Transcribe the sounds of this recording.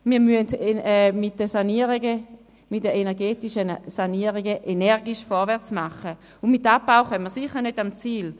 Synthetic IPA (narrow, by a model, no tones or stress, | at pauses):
miːʁmyəndɛmit̚dəsaniəʁiɡə | mitdəenɛʁɡeːtiʃənsaniəʁiɡəʔenɛʁɡiʃfɔʁvɛɐt͡smaχːə | unmitːapːawχœmməɐsiχəʁnødamt͡siːl